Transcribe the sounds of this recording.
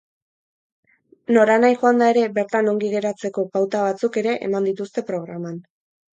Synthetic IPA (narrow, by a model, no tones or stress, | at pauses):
no̞ɾanajxoand̪ae̞ɾe̞be̞ɾt̪ano̞ŋɡiɣe̞ɾat͡se̞ko̞pawt̪aβat͡suke̞ɾe̞ʔḛmand̪it̪ust̪e̞pɾo̞ɣ̞ɾaman